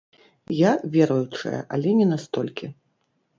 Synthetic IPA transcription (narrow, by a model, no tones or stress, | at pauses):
javʲɛɾɐjut͡ʂɐ̰jɐ̰ʔa̰lʲɛnʲɛnast̪ɔlʲkʲi